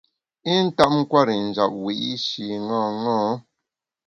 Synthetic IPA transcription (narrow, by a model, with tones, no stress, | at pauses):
i˦n̩˦ta˦ʔ̚ŋ̩˦kwa˦˨ɾi˨n̩˨d͡ʒa˨p̚wi˨ʔi˦ʃi˨ŋɔ̃˦˨ŋɔ̃ː˦